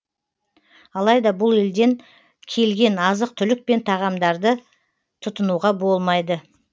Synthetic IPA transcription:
ɑlˠɑjd̪ɑbʊlˠe̞ld̪e̞ŋ | kʲʰe̞lɡʲe̞nɑzəq̚t̪ʰʏlɪk̚pe̞nt̪ʰɑʁɑmd̪ɑɾd̪ə | t̪ʰʊt̪ənuʁɑbo̞lˠmɑjd̪ə

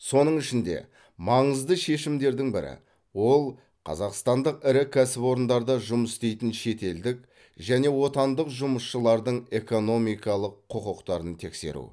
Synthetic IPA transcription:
so̞nəɴɪʃɪnd̪e̞̰ | mɑɴəzd̪əʃe̞ʃɪmd̪e̞ɾd̪ɪŋbɪɾɪ̰ | wo̞lˠ | qʰɑ̰zɑqst̪ɑnd̪əqɪɾɪkʲʰæsɪpo̞ɾənd̪ɑɾd̪ɑʒʊməsst̪e̞jt̪ɪnʃe̞t̪e̞ld̪ɪk | ʒæne̞wo̞t̪ɑnd̪əqʒʊməsʃəlˠɑɾd̪əɴe̞ko̞no̞mijkɑlˠəqʰːʊqəqt̪ɑɾənt̪ʰe̞kse̞̰ɾṵ

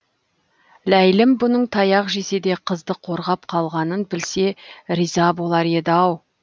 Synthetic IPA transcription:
læjlɪmbʊnəɴt̪ʰɑjɑqʒe̞se̞d̪e̞qʰəzd̪əqʰo̞ɾʁɑp̚qʰɑlˠʁɑnənbɪlse̞ɾizɑbo̞lˠɑɾe̞d̪ɪɑw

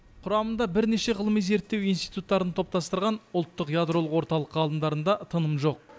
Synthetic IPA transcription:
qʰʊɾɑmənd̪ɑbɪɾne̞ʃe̞ʁəlˠəmijze̞ɾt̪ːewijnst̪ijt̪ut̪ːɑɾənt̪ʰo̞p̚t̪ɑst̪əɾʁɑnʊlˠt̪ːəqjad̪ɾo̞lˠəqwo̞ɾt̪ɑlˠəqɑlˠənd̪ɑɾənd̪ɑt̪ʰənəmʒo̞q̚

